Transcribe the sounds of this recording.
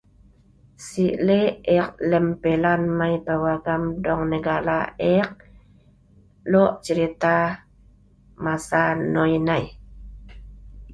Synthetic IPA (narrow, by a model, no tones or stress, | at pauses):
siʔleeq̚lɛmpelanmajpawaɡamdɔŋnəɡala̰eq̚ | loʔt͡ʃəɾit̪a | masanojnaj